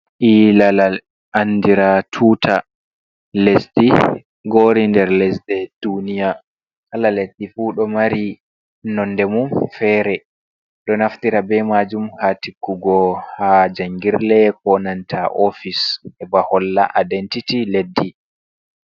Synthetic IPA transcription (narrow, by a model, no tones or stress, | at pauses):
ʔilala | ʔanːdiɾatʰuːtʰa | lesdi | ɡoːɾindɛɾlɛsdɛd̥unija | ʔalalesdifuːɗɔmaɾi | nɔnːdɛmumfɛːɾɛ | ɗɔnaftiɾabɛmad͡ʒumhatikːuɡɔhad͡ʒaŋɡiɾlɛkɔnantʰaʔofishɛbahɔlːa̰ʔadɛntitiledːi